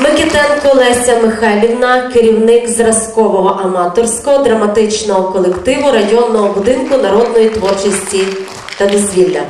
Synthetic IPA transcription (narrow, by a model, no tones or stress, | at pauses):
mɪkɪt̪ɛnkʊlˠɛsʲɐmɪxalʲiwnɐkeɾʲiwnɪkzrɐskɔʋɔɦɔʔɐmɑt̪ɔrsʲkɔɦɔd̪ɾɐmɐt̪ɪt͡ʃnɔɦɔkɔlˠekt̪ɪʋʊɾɐjɔnːɔɦɔbʊd̪ɪnkʊnɐɾɔd̪nɔjit̪ʋɔrt͡ʃɪsʲtʲi | t̪ɐd̪ɔzʲʋʲilʲːɐ